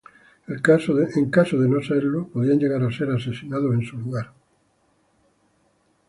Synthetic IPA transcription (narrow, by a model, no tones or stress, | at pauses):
elkasẽŋkasoðenoseɾlopoðiand͡ʒeɣ̞aɾaseɾasesinaðosẽnsuluɣaɾ